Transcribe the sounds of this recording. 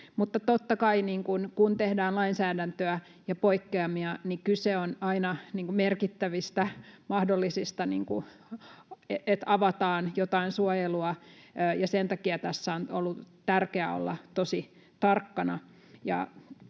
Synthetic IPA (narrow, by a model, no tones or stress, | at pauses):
mut̪ːɑt̪ot̪ːɑkɑiniːŋkunkunt̪ehdæːnlɑinsæːdænt̪øæ | jɑpoikːeɑmiɑnikyseonɑinɑniːŋkumerkit̪ːæʋist̪æmɑhdolːisist̪ɑnḭːŋku | eʔet̪ɑʋɑt̪ɑːnjot̪ɑinsuojeluɑøːjɑsent̪ɑkiɑt̪æsːæono̰lːu | t̪ærkeæ̰o̰lːɑ̰t̪osi | t̪ɑrkːɑnɑ | jɑ̰